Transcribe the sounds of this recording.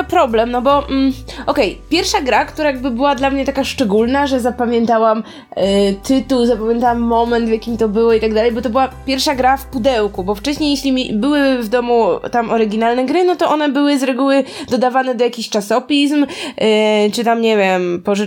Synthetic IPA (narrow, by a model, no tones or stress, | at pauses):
pɾɔblɛmnɔbɔm̩ʔɔkɛjpʲjɛɾfʂaɡɾakt̪uɾajaɡ̚bɘbɘwad̪lamɲɛt̪akaʂt͡ʂɛɡulnaʐɛzapamʲjɛnt̪awam | ɛt̪ʰɘt̪uwzapamʲjɛ̃nt̪awamːɔmɛnt̪vjakʲimt̪ɔbɘwɔit̪aɡd̪alɛjbɔt̪ɔbɘwapʲjɛɾfʂaɡɾafpud̪ɛwkubɔft͡ʂɛɕɲejeɕlʲimʲibɘwɘvd̪ɔmut̪amʔɔɾɘɡʲinalnɛɡɾɘnɔt̪ɔʔɔnɛbɘwɘzɾɛɡuwɘd̪ɔd̪avanɛd̪ɔjakʲiɕt͡ʂasɔpʲism | t͡ʂɘt̪amɲevʲempɔʐ